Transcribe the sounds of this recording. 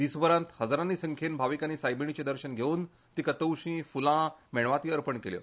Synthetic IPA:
d̪̥iːsʋəɾãnt̪həd͡zɾanːiːsəŋkʰenbʱaʋikanːiːsajbiɳ̃it͡ɕed̪əɾɕənɡʱeuːn | t̪iːkət̪əwɕĩːfulãmeɭʋat̪iːəɾpəɳkeljə̰

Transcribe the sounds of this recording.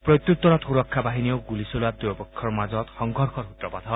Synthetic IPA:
prʌt̪jut̪wɔɾɔt̪ʰuɾɔkʰːabaɦinijowɡulisulad̪uɔbɔkʰːɔrmad͡zɔt̪hɔŋɡʱɔɾkʰɔrɦut̪rɔpat̪ʰɔ

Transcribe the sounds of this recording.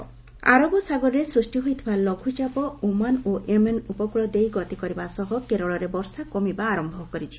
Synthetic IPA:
a̰ɾɔbɔsaɡɔɾɔɾesɾusʈiɦojt̪ʰibalɔɡʱut͡ʃapɔomanoʔemenupɔkɭɔd̪ejɡɔt̪ikɔɾibasɔɦɔkeɾɔɭɔɾebɔɾsakɔmibaːɾɔmbʱɔkɔɾit͡ʃʰi̥

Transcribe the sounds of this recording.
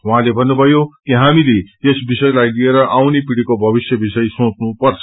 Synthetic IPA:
waɦãlebʱʌnːubʱʌjokiɦamileesbisʌjlajlieɾʌʔawnepiɽikobʱʌbisjʌbisʌjsõt͡snupʌrt͡sʰʌ̥

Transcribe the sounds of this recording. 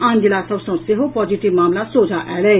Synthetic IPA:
ãːnd͡ʒɪlasɐbsõseɦopɔːd͡ʒiʈiʋmaːmlasoːd͡ʒʱaʔɛːlɛː

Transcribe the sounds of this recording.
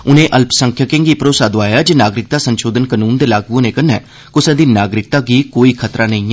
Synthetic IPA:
ʊnẽːʔəlpsəŋkʰjəkẽŋɡiːpɾoːsaːd̪oaːjaːd͡ʒeːnaːɡɾɪk̚t̪aːsənʃoːd̪ənkənuːnd̪eːlaːɡʋõːnẽːkənːɛː | kʊsɛ̃ːd̪iːnaːɡɾɪk̚t̪aːɡiːkoːiːkʰət̪ɾaːnəĩː

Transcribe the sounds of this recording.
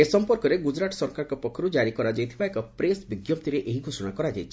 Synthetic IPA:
esɔmpɔɾkɔɾeɡud͡ʒɾaʈɔ̥sɔɾkaɾkɔpɔkʰːɔɾud͡ʒaɾikɔɾad͡ʒajt̪ʰibaekɔpɾesbiɡjɔpt̪iɾeʔeɦiɡʱosɔɽ̃akɔɾad͡ʒajt͡ʃʰi

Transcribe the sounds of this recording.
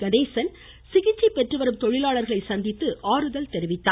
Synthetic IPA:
ɡɐðeːsɐn | sɪɣɪt͡ʃːɐpːɛʈrɯʋɐɾɯmt̪ɔɻɪlaːɭɐɾɣɐɭɐɪsɐnd̪ɪt̪ːɯʔaːɾɯðɐlt̪ɛɾɪʋɪt̪ːaː

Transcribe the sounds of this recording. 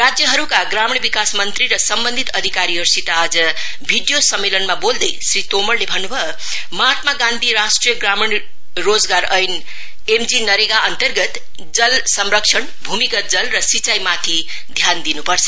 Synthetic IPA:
rad͡zjʌɦʌɾukaɡɾamɳ̃bikasmʌnt̪ɾiɾʌsʌmbʌnd̪ʱit̪ʌd̪ʱikaɾiʌɾsit̪aːd͡zʌ | bʱiɖjosʌmːelʌnmabold̪esrit̪omʌrlebʱʌnːubʱʌ | mʌɦat̪maɡãnd̪ʱiɾasʈrijʌɡɾamiɳ | rod͡zɡaɾʌjn | emd͡zinʌɾeɡaʌnt̪ʌrɡʌt̪ | d͡zʌlsʌmɾʌksʰʌɳbʱumikʌt̪̚d͡zʌlrʌsit͡sajmat̪ʰi | d̪ʱjand̪inupʌrt͡sʰʌ̥

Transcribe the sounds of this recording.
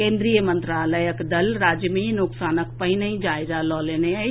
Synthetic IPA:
kẽːnd̪ɾijəmə̃nt̪ɾaːləjəkd̪ɐlɾaːd͡ʒjəminʊksaːnək̚pəɦɪnəĩd͡ʒaːɪzalɔːlenea

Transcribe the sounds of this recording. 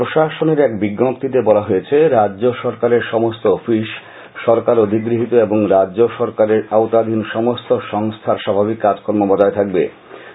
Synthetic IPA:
pɾoʃaʃoneɾɛkbiɡːopt̪it̪ebɔlaɦojet͡ɕʰeɾaːʑoʃɔɾkaɾeɾʃɔmost̪oːfiʃ | ʃɔɾkaɾod̪ʱiɡɾiɦit̪oeboŋɾadd͡ʑoʃɔɾkaɾeɾawt̪ad̪ʱinʃɔmost̪oʃɔŋst̪ʰaɾʃabʱabikːad͡ʑkʰɔɾmobɔd͡ʑaet̪ʰak̚bḛ

